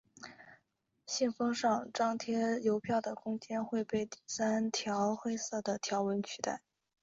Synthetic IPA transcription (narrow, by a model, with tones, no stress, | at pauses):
ɕɛ˥˩nfɑ˥ŋʂɑ˥˧ŋʈ͡ʂɑ˥ŋt̪ʰjɛ˥jo˧˥ʊpʰjɑ˥˩ʊd̪ə˩kʰʊ˥ŋt͡ɕjɛ˥nxwe˥˧ɪpe˥˧ɪt̪i˥˩sa˥nt̪ʰjɑ˧˥ʊxe˥ɪsɤ˥˩d̪ə˩t̪ʰjɑ˧˥ʊwə˧˥nt͡ɕʰy˧˥t̪a˥˩ɪ